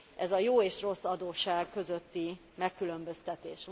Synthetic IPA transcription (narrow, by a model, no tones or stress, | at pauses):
ʔɛzɒjoːeːʃro̞sːɒd̪oːʃaːɡkø̞zøt̪ːi | mɛkːylø̞mbø̞st̪ɛt̪eːʃ